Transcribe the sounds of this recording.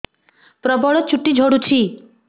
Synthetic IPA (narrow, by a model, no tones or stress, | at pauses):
pɾɔbɔɭɔt͡ʃʰuʈːid͡ʒʱɔɽut͡ʃʰi